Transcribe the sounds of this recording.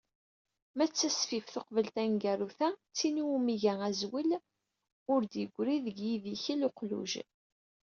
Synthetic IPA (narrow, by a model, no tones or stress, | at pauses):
mæt͡sːæsfifθoqvəlt̪ænɡæɾuθæt͡sːiniumiʝææzwil | ʊɾd̪jəɡʷːɾiðəɡjiðiçilʊqlṵʒ